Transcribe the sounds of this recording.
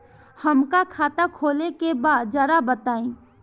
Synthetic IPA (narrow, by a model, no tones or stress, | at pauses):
həmkakʰaːt̪akʰoːlekebaːd̪̚d͡ʒɐɾabət̪aːĩː